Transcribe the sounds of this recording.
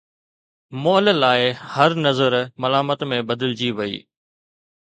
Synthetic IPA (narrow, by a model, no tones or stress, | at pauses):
moːllaːɪhɐɾnɐzəɾmɐlaːmət̪mẽbɐd̪ɪld͡ʑiʋɐḭː